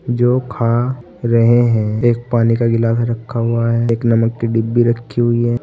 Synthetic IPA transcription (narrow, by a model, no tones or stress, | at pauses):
d͡ʒoːkʰa | ɾɐɦeɦɛ̃eːk̚paːnikaɡɪlaːt̪ɾɐkʰːaɦʊaɦɛːeːknɐməkːiɖibːiɾɐkʰːiɦʊiɦɛː